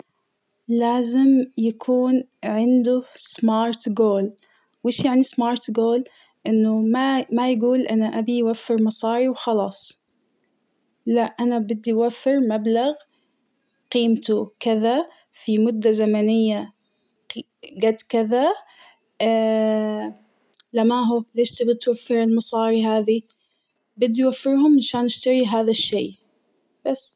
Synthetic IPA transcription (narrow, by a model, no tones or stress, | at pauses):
laːzɪmjakʰuːnʕɪnd̪ʊsˤmɑːɾˤt̪ɡoːl | wʔɪːʃjaʕnismɑːɾˤt̪ɡoːl | ʔɪnːʊmamajɡuːlʔanaʔabiwafːɪɾmɑsˤɑːɾiwxɑlɑːsˤ | laʔʔanabɪd̪ːiwafːɪɾmablaɣ | qiːmt̪ukɪða | fimʊd̪ːazamanɪjːa | ɡad̪kɪða | lamaːɦuleːʃt̪ɪbɪdt̪wafːɪɾɪlmɑsˤɑːɾiɦaːði | bɪd̪ːijwafːɪɾɦʊmʔaʃaːnʔɪʃt̪aɾiɦaːðaʃːeː | b̥asː